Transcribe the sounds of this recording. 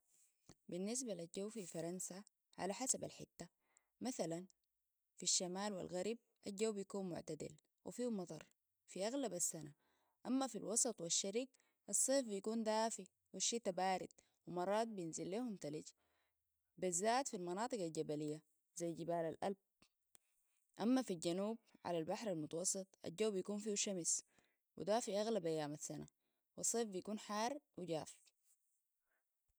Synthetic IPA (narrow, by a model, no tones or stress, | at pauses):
binːis̬balild͡ʒawːfifɑɾˤɑnsa | ʕa̰laħasaba̰lħɪ̰t̪ːa | maθalan | fiʃːamaːlwḭlɣaɾb̚ʔald͡ʒːawbijakuːnmʊ̰ʕt̪ad̪ḭl | wḭfiːhmɑt̪ˤɑ̰ɾˤ | fiʔaɣlabasːana | ʔamːafilwɑsˤɑt̪ˤwaʃːaɾiːɡ̚ | ʔɑsˤːeːfbijakuːnd̪aːfi | waʃːeːt̪abaːɾid̪̥̚ | wimɑrˤːɑːt̪̚bijinzilːeːhumt̪aliɟ | bizːaːt̪filmɑnɑːt̪ˤɨɡald͡ʒabalijːa | zajːd͡ʒibaːlalʔa̰lb̚ | ʔamːafild͡ʒanuːb̚ʕa̰lalbaħɾalmʊt̪ɑwɑsˤːɨt̪ˤʔa̰ld͡ʒawːbijakuːnfiːwʃamis | wḭd̪aːfiʔaɣlabʔajːaːmasana̰ | wɑsˤːeːfbijakuːnħɑːrˤwiɟaːf